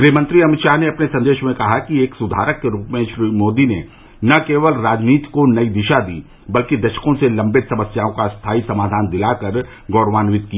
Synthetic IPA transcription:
ɡɾiːɦmə̃nt̪ɾiɐmɪt̪ʃaːɦneɐpnesɐ̃nd̪eːʃmẽkɐɦakieːksʊd̪ʱa̰ːɾəkːeɾuːpmẽʃɾiːmoːd̪ine | nɐkeːʋəlɾaːd͡ʒniːt̪i̥konɐid̪ɪʃad̪ḭː | bɐlkid̪ɐʃə̥kõselɐ̃mbɪt̪sɐməsjaːõkast̪ʰaːisɐmaːd̪ʱaːnd̪ɪlakɐɾ | ɡɔːɽʋaːnwɪt̪kia

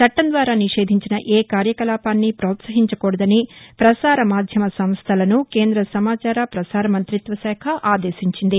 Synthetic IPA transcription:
t͡ʃɐʈːɐnd̪ʋaːɾaːniʂe̞ːd̪ʱiɲt͡ʃinɐʔeːkaːɾjɐkɐlaːpaːnːipɾoːt̪sɐɦiɲt͡ʃɐkoːɽɐd̪ɐnipɾɐsaːɾɐmaːd̪ʱjɐmɐsɐmst̪ʰɐlɐnukeːnd̪ɾɐsɐmaːt͡ʃaːɾapɾɐsaːɾɐmɐnt̪ɾit̪ʋɐsɛːkʰɐʔaːd̪eːsiɲt͡ʃind̪i

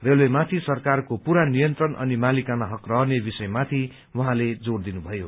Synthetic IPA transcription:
relwemat̪ʰisʌrkarkopuɾanijʌnt̪rʌnʔʌ̰nimalikanaɦʌkrʌɦʌnebisʌjmat̪ʰi | wʌɦãled͡zord̪inubʱʌjo

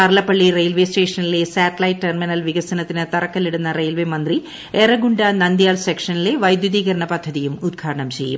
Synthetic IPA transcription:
ɐɾlɐpːɐɭːirejlʋe̞ːsʈe̞ːʂɐnile̞saːʈɐlɐjʈːʈerminɐlʋiɣɐsɐnɐt̪ːinɨt̪ɐrɐkːɐliɽunːɐrejlʋeːmɐnd̪ri | erɐɡuɳɖɐnɐnd̪jaːlsekʂɐnile̞ʋɐjd̪juðiːɣɐɾɐɳɐpɐd̪ʱːɐðijumud̪̚ɡʰʱaːɽɐɳɐmt͡ɕe̞̰jːṵm

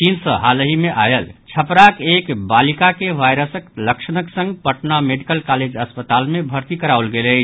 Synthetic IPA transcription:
insəɦaləɦimeʔajəlt͡ʃʰəpɾakekbalikakeʋajɾəsəkləksənəksə̃ŋɡpəʈnameɖikəlkaled͡ʒəspət̪almebʱəɾt̪ikəɾawlɡelə

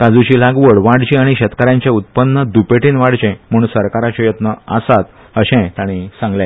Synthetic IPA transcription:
kad͡zut͡ɕiːlaɡʋəɽʋaɽt͡ɕĩaɽ̃iɕɛt̪kaɾjaɲt͡ɕẽut̪̚pənːəd̪upeʈiːnʋaɽ̤t͡ɕɛ̃m̤əɽ̃ũnsəɾkaɾat͡ɕɔjət̪nəasat̪ | əɕɛ̃t̪aɽ̃isãŋɡlja

